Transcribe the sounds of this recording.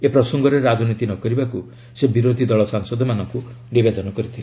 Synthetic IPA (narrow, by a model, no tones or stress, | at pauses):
epɾɔsɔŋɡɔɾeɾad͡ʒɔnit̪inɔkɔɾibaku | sebiɾod̪ʱid̪ɔɭɔsaŋsɔd̪ʱɔmanɔŋku | nibed̪ɔnɔkɔɾit̪ʰil